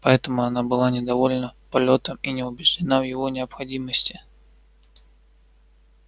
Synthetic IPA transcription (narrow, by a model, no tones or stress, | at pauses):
pɐɛt̪əmʊɐnabɨlˠanʲɪd̪ɐvolʲnəpɐlʲo̞t̪əminʲɪʊbʲɪʐdʲɪnavjɪvo̞nʲɪəpxɐdʲiməsʲtʲɪ